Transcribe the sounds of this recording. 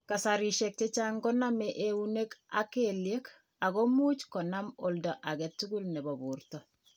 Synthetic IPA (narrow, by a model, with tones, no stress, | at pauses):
ka˨sa˨ɾi˨ʃe˨k̚te˦t͡ʃa˦ŋɡɔ˦na˦meʔe˨u˦ne˦ka˦kelje˦k | a˨ɡo˦mu˦t͡ʃkɔ˨na˦mo˨lda˨ʔa˨ɡɛ˨tːu˦ɡu˦lnɛ˨bo˨buɾtɔ˨